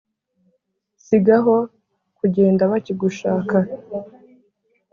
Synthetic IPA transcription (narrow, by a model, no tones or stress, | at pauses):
siɡaɦo̞ | kuɟe̞ːndaβaciɡuʃaːka